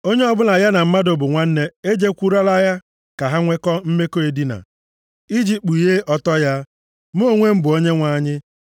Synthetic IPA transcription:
o˦ɲe˦ɔ˦bʊ˦na˨ja˦na˨m̩˦ma˦do˨bʊ˨ŋʷa˦n̩˦ne˦e˦d͡ʒe˦kʷu˦ɾa˦la˦ja˦ | ka˨ɦa˦ŋʷe˦kɔ˦m̩˦me˦ko˦e˨di˦na̰˨ | i˦d͡ʒi˦k͡pu˨i˨ɦe˦ʔɔ˦tɔ˦ja˦ | mo˦˨ŋʷe˦m̩˦bʊ˨o˦ɲe˦ŋʷa˦ɲɪ˦

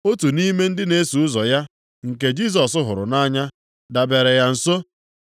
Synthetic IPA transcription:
o˦tu˨ni˦me˦n̩˦dɪ˦ne˦su˨ʊ˦zɔ˨ja˦ | ŋ̩˨ke˦d͡ʒi˦s̬ɔ˨sʊ˦ɦʊ˨ɾʊ̰˨na˦ɲa˦ | da˨be˨ɾe˨ja˨n̩˨so˦

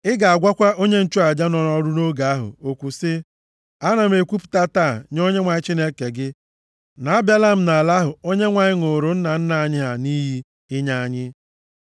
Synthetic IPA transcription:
ɪ˦ɡa˨a˨ɡʷa˦kʷa˦ʔo˦ɲe˦n̩˦t͡ʃu˦a˨d͡ʒa˦nɔ˨nɔ˦ɾʊ˦no˦ɡa˨a˦ɦʊ̰˨o˨kʷu˨sɪ˦ | a˦na˨m̩˦e˨kʷu˦pu̥˨ta˦ta˦˨ɲ˦o˦ɲe˦ŋʷa˨ɲɪ˦t͡ʃi˦ne˦ke˨ɡɪ˦ | na˨a˦bja˦la˦m̩˦na˨la˦ɦʊ˨o˦ɲe˦ŋʷa˨ɲɪ˦ŋʊ˨ɾʊ˨n̩˦na˨n̩˦na˨a˨ɲɪ˦ɦa˨ni˦ɦi˦ | ɪ˦ɲa˦a˨ɲɪ˦

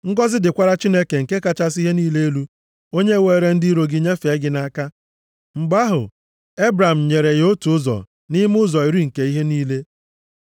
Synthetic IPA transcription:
ŋ̩˦ɡɔ˦zɪ˦dɪ˨kʷa˦ɾa˦t͡ʃi˦ne˦ke˨ŋ̩˨ke˦ka˦t͡ʃa˦s̬i˦ɦe˦niː˦le˦e˦lu˦ | o˦ɲe˦˨we˨˦˨ɾe˨n̩˦di˦ɾo˨ɡɪ˦ɲe˦fe˨˦ɡɪ˦na˦ka˦ | ŋ͡m̩˨ɡ͡ba˦ɦʊ̰˨ | e˦bɾa˨m̩˨ɲe˨ɾe˨jo˦tu˨ʊ˦zɔ̰˨ | ni˦m˦ʊ˦zɔ˨i˨ɾi˦ŋ̩˨ke˨i˦ɦe˦niː˦le˦

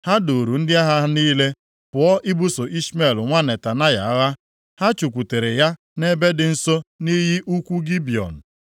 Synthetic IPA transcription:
ha˦do˨ɾu˨n̩˦dɪ˦a˦ɦa˦niː˦le˦ | pʊ˨ɔ˦ʔɪ˦bu˦so˨ʔi˦sme˨lŋʷa˦ne˨ta˨na˦ja̰˨˦ɣa˦ | ha˦t͡ʃu˨kʷu˨te˨ɾe˨ja˦ | ne˦be˦dɪ˨n̩˦so˦ni˦ɦi˦ʔu˦kʷu˦ɡi˦bi˨ɔ̰˨n̩˨

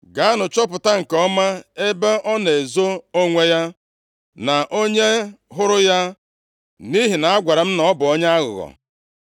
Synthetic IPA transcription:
ɡa˨a˦nʊ˨t͡ʃɔ˦p̬ʊ˨ta˦ŋ̩˨kɔ˦ma˦e˦be˦ʔɔ˦ne˨zo˦o˦ŋʷe˦ja˦ | na˨ʔo˦ɲe˦ɦʊ˦ɾʊ˦ja˦ | ni˦ɦi˨na˨a˦ɡʷa˨ɾe˨m̩˦nɔ˨˦bʊ˨o˦ɲ˦a˦ɣʊ̰˨ɣɔ̰˨

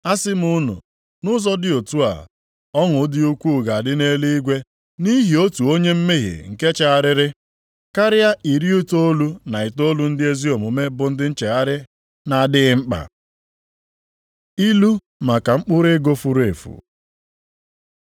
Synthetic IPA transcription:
a˦sɪ˦m̩˦ʊ˦nʊ̰˨ | nʊ˦zɔ˦dɪ˨o˨tu˦a̰˨ | ɔ˦ŋʊ˨˦dɪ˦u˦kʷu˦˨ɡa˨a˨dɪ˦ne˦li˦i˦ɡʷe˦ | ni˦ɦi˨o˦tu˨o˦ɲe˦m̩˦me˦ɦḭ˨ŋ̩˨ke˦t͡ʃa˦a˦˨ɾɪ˦ɾɪ˦ | ka˦ɾɪ˦a˦ʔi˨ɾi˦o˦to˦lu˦na˨ɪ˨to˦lu˦n̩˦dɪ˦e˦zi˦o˨mʊ˨me˦bʊ˨n̩˦dɪ˦n̩˦t͡ʃe˨ɣa˦ɾɪ˦ | na˨a˨dɪ˦ɣɪ˦ŋ͡m̩˦k͡pa̰˨ | i˦lu˦ | ma˨ka˨ŋ͡m̩˦k͡pʊ˦ɾe˦ɡo˦fu˦ɾe˨fṵ˨

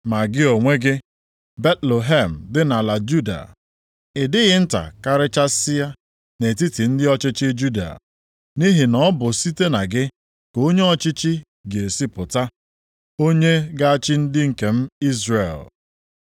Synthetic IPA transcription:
ma˨ɡɪ˦o˨ŋʷe˦ɡɪ˦ | be˦tle˨ɦe˦˨m̩˨dɪ˦na˨la˨d͡ʒu˦da̰˨ | ɪ˨dɪ˦ɣɪ˦n̩˦ta̰˨ka˨ɾɪ˦t͡ʃa˦sɪ˦ja˦ | ne˨ti˦ti˨n̩˦dɪ˦ɔ˦t͡ʃɪ˦t͡ʃɪ˦d͡ʒu˦da̰˨ | ni˦ɦɪ˨nɔ˦bʊ˨si˦te˦na˨ɡɪ˦ | ko˦ɲe˦ɔ˨t͡ʃɪ˦t͡ʃɪ˦ | ɡe˨si˦pʊ˨ta˦ | o˦ɲe˦ɡa˦a˦t͡ʃɪ˦n̩˦dɪ˦ŋ̩˨ke˨m̩˦i˦zre˨l

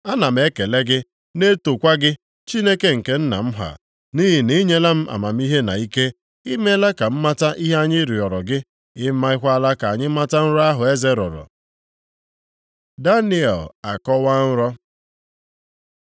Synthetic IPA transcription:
a˦na˨m̩˦e˦ke˨le˦ɡɪ˦ | ne˦to˨kʷa˦ɡɪ˦ | t͡ʃi˦ne˦ke˦ŋ̩˨ke˦n̩˦na̰˨m̩˦ɦa̰˨ | ni˦ɦi˨ni˦ɲe˦la˦m̩˦ʔa̰˨ma˨m̩˦i˦ɦe˦na̰˨i˦ke˦ | i˦me˦la˦ka˨m̩˦ma˦ta˦ʔi˦ɦe˦a˦ɲɪ˦ɾi˨ɔ˨ɾɔ˨ɡɪ˦ | ɪ˦ma˦ɪ˦kʷa˦la˦ka˨a˨ɲɪ˦ma˦ta˦n̩˦ɾɔ˦a˦ɦʊ˨e˦ze˦ɾɔ̰˨ɾɔ̰˨ | da˦ni˦ɛ̰˨la̰˨kɔ˦wa˦n̩˦ɾɔ˦

